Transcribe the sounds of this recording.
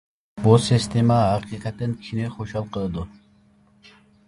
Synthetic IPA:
bulˠsʲist̪emɑːqiqɑt̪ːɪnkʲʰineχoʃɑlˠqʰəlˠd̪ʊ

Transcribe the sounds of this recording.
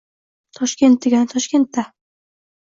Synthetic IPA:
t̪ʰɒʃkʲe̞nt̪̚d̪eɡʲant̪ʰɒʃkʲe̞nt̪ːa

